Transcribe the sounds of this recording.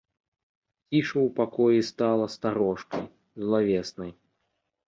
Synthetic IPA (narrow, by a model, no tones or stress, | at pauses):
kʲiʂɐwpakɔjist̪alˠɐst̪aɾɔʂkɐ̰j | zlˠavʲɛsnɐj